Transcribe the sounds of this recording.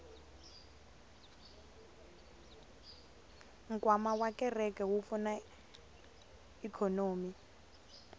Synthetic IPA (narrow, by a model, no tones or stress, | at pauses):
ŋkʼwamawakʼɛrɛkʼɛwufuna | ikʰɔnoːmi